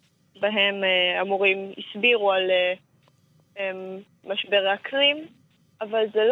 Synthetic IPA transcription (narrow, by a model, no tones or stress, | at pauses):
baɦemeamuʁimḭsbiʁuale | emː | aʃbe̞ʁeaklim | avalzel